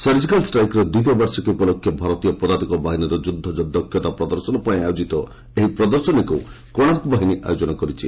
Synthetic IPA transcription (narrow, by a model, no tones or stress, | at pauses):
seɾd͡ʒikalsʈɾajkɾɔd̪wit̪̬ɔbaɾsɔkeupɔlokʰːjɔbʱaɾɔt̪ijɔpɔd̪ad̪ikɔbaɦiniɾɔd͡ʒud̪ʱːɔd͡ʒɔd̪ʱːɔkʰːjɔt̪apɾɔd̪ɔɾsɔnɔpaĩajod͡ʒit̪ɔ | eɦipɾɔd̪ɔɾsɔniku | kɔɽ̃akubaɦiniʔa̰jod͡ʒɔnɔkɔɾit͡ʃʰi